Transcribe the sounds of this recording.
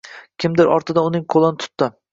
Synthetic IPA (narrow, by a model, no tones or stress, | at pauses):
kʲʰɪmd̪ɪɾɒ̰ɾt̪ʰɪd̪aʊnɪŋqʰolˠɪnɪt̪ʰʊ̥t̪ːɪ